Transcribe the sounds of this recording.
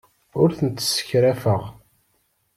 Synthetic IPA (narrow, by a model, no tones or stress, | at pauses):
ʊɾθənt̪ːsə̥çɾæfəʁ